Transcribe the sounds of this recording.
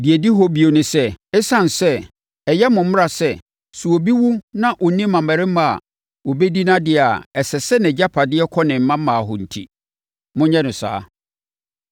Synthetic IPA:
di˨e˨di˦ɦɔ˦bi˨o˨nʊ̃˨sɛ˦ɛ˦sã˦n˨sɛ˦ | ɛ˨jɛ˦mʊ̃˨m̩˦m˦ɾa˨sɛ˦ | su˨o˨bi˦wu˦nã˦ʔɔ˨nĩ˦mã˨mæ˨ɾɪ˦mã˨a̰˨ | wɔ˨be˦di˦nã˦dɪ˦˨a̰˨ɛ˨sɛ˨sɛ˦nɪ̃˨d͡ʑa˦pʰa˨dɪ˦ɛ˦kʰɔ˦nɪ̃˨m̩˦mã˦m˦mːãː˨ɦɔ˨n̩˨tʰḭ˦ | mʊ̃˦ɲɛ̃˦nʊ̃˨sa̰ː˦

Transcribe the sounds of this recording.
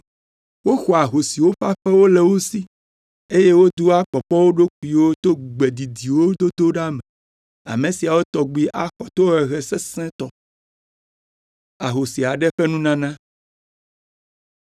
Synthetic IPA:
wo˦xɔ˨a˨ɦo˨si˨wo˦ɸa˦ɸɛ˦wo˦lɛ˨wo˦si˦ | e˦je˦wo˦d̪u˦a˦k͡pɔ˨pɔ˦wo˦ɖo˦k̚u˨i˨wo˦t̪o˦ɡ͡be˨d̪i˨d̪i˨wo˦d̪o˦d̪o˦ɖa˦mɛ˨ | a̰˨mẽ˨si˨a˨wo˦t̪ɔ˨ɡ͡bi˦ʔa˦xɔ˨t̪o˦ɛ˨ɣɛ˨sɛ˦sɛ̃˦t̪ɔ˨ | a˨ɦo˨si˨a˨ɖɛ˦ɸɛ˦nũ˦nã˦nã˦

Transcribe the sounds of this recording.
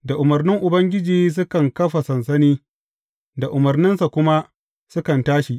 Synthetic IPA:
da˨ʔʊ˨mɐ˨rnɪ˦ŋʔʊ˨bɐ˦ŋɡʲɪ˦d͡ʒiː˦s̬ʊ˦kɐ˨ŋkɐ˦ɸa˨sɐ˨nsɐ˦niː˦ | da˨ʔʊ˨mɐ˨rnɪ˦nsa˨kʷʊ˦ma˦ | sʊ˦kɐ˨ntaː˦ʃi˨ʔ

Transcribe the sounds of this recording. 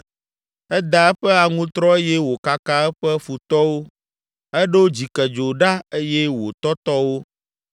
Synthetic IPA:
ɛ˦d̪a˨ɛ˦ɸɛ˦a˨ŋũ˦t̪ɾɔ˦e˦jɛ˦wo˨ka˦ka˦ɛ˦ɸɛ˦fu˨t̪ɔ˦wo˦ | ɛ˦ɖɛ˦wo˦d͡ʑi˨kɛ˨d͡ʒo˨ɖa˦e˦jɛ˦wo˨t̪ɔ˦t̪ɔ˦wo˦

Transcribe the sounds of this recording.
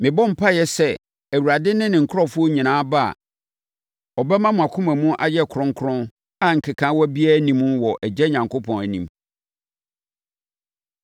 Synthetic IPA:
mɪ̃˨bɔ̃˦m̩˨pʰa˦jɛ˦sɛ˦ | æ˨wu˨ɾa˨dɪ˦nɪ̃˦nɪ̃˨ŋ̩˨kʰʊ˦ɾɔ˦fʊ˦o˦ɲĩ˨nãː˨˦ba˦a̰˨ | ɔ˨bɛ˦mã˦mʊ̃˨a˨kʰʊ̃˦mæ̃˨mũ˦ʔa̰˨jɛ˦˨kʰɾʊ̃˦ŋ˦kʰɾʊ̃˦n | a˨ŋ̩˨kʰɪ˨kʰã˦wɔ˦bi˦æ˦nĩ˦m̃˦wɔ˨ʔɛ˨d͡ʑɛ˦ɲã˨ŋkʰo˦pʰɔ̃˨næ˨nḭ̃˨m

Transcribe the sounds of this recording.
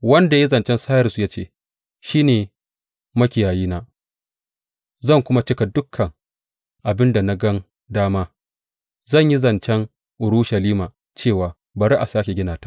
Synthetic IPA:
wɐ˦nda˨ji˦zɐ˨nt͡ʃɛ˦nsaː˦jɐ˨su˨ja˦t͡ʃḛː˦˨ | ʃiː˦neː˨ | mɐ˦kʲɪ˨jaː˨jiː˦naː˦ | zɐ˦˨ŋkʷʊ˦ma˦t͡ʃɪ˦ka˨dʊ˦kʰːɐ˨ŋ | ʔa˨bɪ˦nda˨na˦ɡɐ˦n | daː˦maː˦ | zɐ˦˨ɲji˦zɐ˨nt͡ʃɛ˦ŋ | ʔʊ˨ɾʊ˦ʃɐ˨liː˦maː˨ | t͡ʃeː˦˨waː˨ | ba˨ɾi˦ʔa˨saː˦kʲe˨ɡʲɪ˦naː˨tḁ˨˦

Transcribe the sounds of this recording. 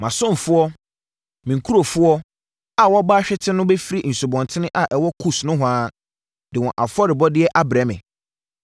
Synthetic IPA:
mã˨sʊ̃˦m˨fʊ˦ɔ˦ | mĩ˨ŋ˨kʰu˦ɾo˨fʊ˦ɔ˦ | a˨wɔ˦baː˦ɕᶣɛ˦tʰɪ̃˦nʊ̃˦bɛ˦fi˦ɾi˦˨n̩˨su˨bɔ̃˨ntʰɪ˦nɪ̃˦ʔa˨ʔɛ˨wɔ˦kʰu˦snʊ̃˦ɦʊ˨ãː˦ | dɪ˨wɔ̃˨ʔa̰˨fɔ˦ɾɪ˨bɔ˦dɪ˦ɛ˦ʔa˦bɾa˨˦mɪ̰̃˨

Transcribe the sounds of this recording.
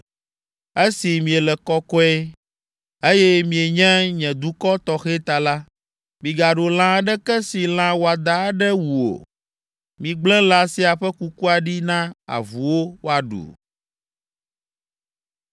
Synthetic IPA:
e˦si˨mĩ˨ɛ˨lɛ˨kɔ˦kɔ˦ɛ˦ | e˦jɛ˦mĩ˨e˨ɲɛ̃˦ɲɛ̃˨d̪u˦kɔ˦t̪ɔ˨xɛ˦t̪a˨la˦ | mĩ˨ɡa˨ɖo˨l̃ã˦ɖɛ˦kɛ˦si˨l̃ã˦wo˨a˨d̪a˨˦ɖɛ˦wu˨o̰˨ | mĩ˨ɡ͡blɛ̃˦la˨si˦a˨ɸɛ˦ku˦ku˦a˨ɖi˦nã˦a̰˨vu˨wo˦wo˦a˨ɖṵ˨

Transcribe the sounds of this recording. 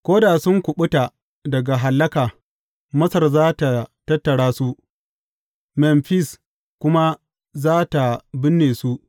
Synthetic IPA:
kʷoː˦da˨sʊ˦ŋkʷʊ˨ɓʊ˦ta˨ | dɐ˨ɡa˨ɦa˨lːɐ˦kaː˨ | mɐ˦sɐ˨rzaː˦ta˨tɐ˦tːɐ˨ɽaː˦su˦ʔ | mɛ˨mɸɪ˦s | kʷʊ˦ma˦ | zaː˦ta˨bɪ˦nːeː˨su˦ʔ

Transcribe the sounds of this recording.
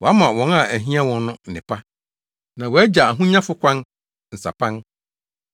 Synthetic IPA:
wɔ˨a˦mã˨wɔ̃˨˦na˨æ˨ɦĩ˦a˦wɔ̃˦nː˦ʊ̃˦n̩˨nɪ̃˨pʰa˦ | nã˨wɔ˨˦æ˦d͡ʑa˨a˨ɦũ˦ɲã˦fʊ˦kʷʰã˦n | n̩˨sa̰˨pʰã˦n

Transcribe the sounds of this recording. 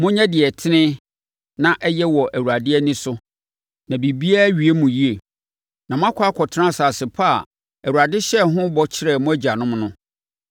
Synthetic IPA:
mʊ̃˦ɲɛ̃˦dɪ˨ɛ˨tʰɪ˦nɪ̃˦ | nã˦ʔɛ˦jɛ˦wɔ˨ʔæ˨wu˨ɾa˨dɪ˦ɛ˦nɪ̃˦sʊ˦ | nã˨bi˨bi˦a˦ɥi˨e˦mũ˨ji˦e˨ | nã˨mʊ̃˦a˦kʷʰa˦kʰɔ˨tʰɪ˦nã˦˨saː˨sɪ˨pʰa˦˨ | æ˨u˨a˨dɪ˦ɕɛ˦˨ɦʊ̃˦bɔ˦t͡ɕʰɪ˦ɾɛ˨mʊ̃˦æ˦d͡ʑa˨nʊ̃˦mnʊ̃˦

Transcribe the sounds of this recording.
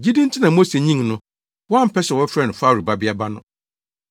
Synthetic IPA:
d͡ʑi˦dĩ˦n̩˦tʰɪ˦nã˨mo˦se˨ɲĩ˦ŋnʊ̃˦ | wɔ˦ã˦m̩˨pʰɛ˦ɕɛ˨wɔ˦fɾɛ˦˨nʊ̃˨faː˦˨ɾu˨ba˦bɪ˦a˦ba˦nʊ̃˦

